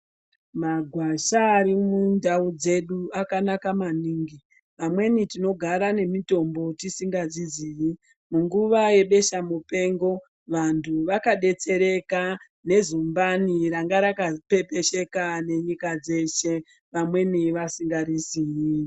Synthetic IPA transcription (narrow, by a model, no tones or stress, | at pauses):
maɡʱwaʃaːɾimundaud͡ze̞ɗuakanakamaniːŋɡi | ʋamwe̞nitino̞ɡʱaɾane̞mito̞mbo̞tisiŋɡad͡ziziːji | muŋɡuʋaje̞ɓe̞ʃamupe̞ːŋɡo̞ | ʋantʰuʋakaɗe̞t͡se̞ɾe̞ka | ne̞zumbaniraŋɡaɾakape̞pe̞ʃe̞kane̞ɲikad͡ze̞ʃe̞ | ʋamwe̞niʋasiŋɡaɾiziji